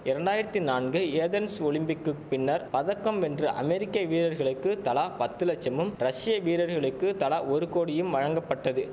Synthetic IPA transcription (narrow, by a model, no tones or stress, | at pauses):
ɪɾɐɳɖaːjɪɾɐt̪ːinaːnɡɯeːðɐnsɔɭɪmbɪkːɯk̚pɪnːɐɾpɐðɐkːɐmɛndrɯʔɐ̰mɛɾɪkːɐʋiːɾɐɾɣɐɭɯkːɯt̪ɐɭaːpɐt̪ːɯlɐt͡ʃːɐmɯmɾɐʂɪjɐʋiːɾɐɾɣɐɭɯkːɯt̪ɐlaːɔɾɯkoːɽɪjɯmʋɐɻɐŋɡɐpːɐʈːɐðɯ